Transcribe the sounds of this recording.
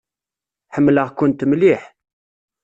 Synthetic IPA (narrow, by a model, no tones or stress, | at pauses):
ħəmːləʁkʊnt̪mliħ